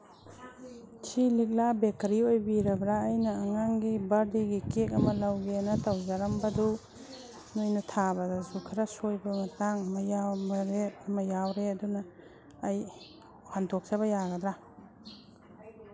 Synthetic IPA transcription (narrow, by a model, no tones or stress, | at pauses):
t͡ʃʰilik̬̚labek̚ɐɾiojbiɾɐbɾaːjnɐːŋaŋɡibɐɾdiɡikek̬̚ɐmɐlɐwɡeɐnɐtɐwzɐɾɐmbɐdu | nojnɐtʰabɐdɐzukʰɐɾɐsojbɐmɐtaŋɐmɐjamɐɾeɐmɐjawɾeɐdunɐː | j | handok̚t͡ʃɐβɐjaɡɐd̪ɾa